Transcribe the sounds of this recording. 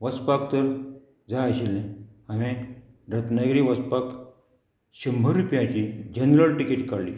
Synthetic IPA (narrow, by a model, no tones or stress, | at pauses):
ʋət͡spakt̪əɾ | d͡zaaɕelːẽ | aʋẽ | ɾət̪nəɡɾiːʋət͡spak | ɕəmbʱəɾupjãt͡ɕid͡ʑənɾəlʈikiʈkaɽlḭː